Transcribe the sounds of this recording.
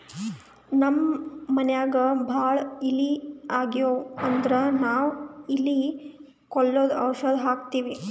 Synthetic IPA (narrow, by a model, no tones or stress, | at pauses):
nɐmːɐnjaːɡɐbʱaːɭilːiaːɡijoːɐnd̪ɾɐnaːʋilːi | kɔɭːoːd̪ɐwʃɐd̪ɦaːkt̪iːʋi